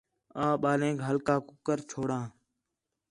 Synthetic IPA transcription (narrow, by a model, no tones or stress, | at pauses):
ãːɓaːlẽːkɦəlkaːkʊkəɾt͡ʃʰoːɽãː